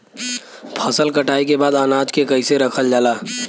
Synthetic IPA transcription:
pʰɐsəlkɐʈaːikebaːd̪aːnaːd͡ʒkekɐiseɾɐkʰəld͡ʒaːlaː

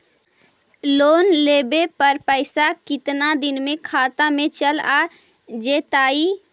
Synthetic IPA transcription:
loːnleːbepəɾpəɪsakɪt̪nad̪ɪnmẽkʰaːt̪amẽt͡ʃəlaː | d͡ʒeːt̪aːi

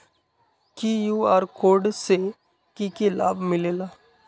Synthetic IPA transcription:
kijuaːɾkoːɾɖse | kikila̰ːbmɪlela

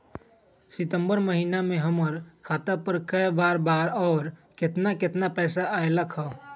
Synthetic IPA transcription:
sɪt̪əmbəɾməɦiːnamẽɦəməɾkʰaːt̪apəɾkəjbaːɾbaːɾɔːɾkɪt̪nakɪt̪napɛːsaʔaeləkʰɦɔ

